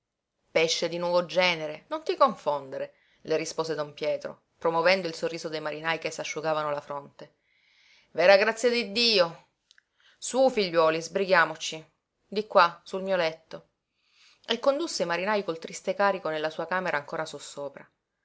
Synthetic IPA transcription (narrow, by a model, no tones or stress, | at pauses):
peʃːed̪inwɔːvod͡ʒɛːneɾenont̪ikoɱfond̪eɾe | lʔerispoːzed̪ompjɛːt̪ɾo̰ | pɾomovɛnd̪oilsorːiːzod̪ejmaɾinajkesːaʃːuɡaːvanolafɾont̪e | vɛːɾaɡɾat̪sːjad̪id̪ːiːo | sufiʎːwɔːlizbɾiɡjaːmot͡ʃi | d̪ikːwasulmiːolɛt̪ːo | ekːond̪usːejmaɾinajkolt̪ɾist̪ekaːɾikonelːasuːakaːmeɾʔaːŋkoːɾasusːoːpɾa